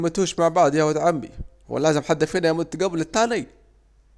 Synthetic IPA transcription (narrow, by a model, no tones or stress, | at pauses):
mat̪uːʃmaʕbaʕd̪jawɪt̪ʕambḭ | wɪ̰lːaːzɪmħad̪ːafiːnajamʊt̪ːɡæblɪt̪ːaːnij